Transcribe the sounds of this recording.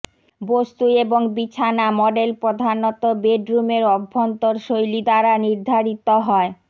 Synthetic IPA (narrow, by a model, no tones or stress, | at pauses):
bost̪ueboŋbit͡ɕʰanamɔɖelpɾod̪ʱanɔt̪obeɖɾumeɾɔbʱːont̪oɾʃojlid̪aɾaniɾd̪ʱaɾit̪oɦɔe